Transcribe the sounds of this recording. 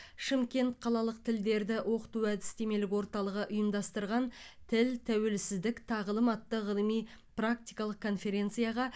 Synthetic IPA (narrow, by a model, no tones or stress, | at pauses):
ʃɪmkʲe̞nt̪qʰɑlˠɑlˠəq̚t̪ʰɪld̪e̞ɾd̪ɪwʔo̞qə̥t̪uæd̪ɪ̥st̪e̞me̞lɪkwo̞ɾt̪ɑlˠəʁəʔʊjəmd̪ɑst̪əɾʁɑnt̪ʰɪlt̪ʰæwe̞lsɪzd̪ɪkt̪ʰɑʁəlˠəmɑt̪ːəʁəlˠəmijprak̚t̪ijkɑlˠəq̚kʰo̞nfe̞ɾe̞nt̪sɨijɑʁɑ